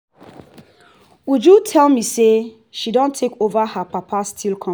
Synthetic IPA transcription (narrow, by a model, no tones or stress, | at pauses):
ud͡ʒutʰɛlˠmise | ʃidõntʰekovahapapʰastʰilkʰɔ̃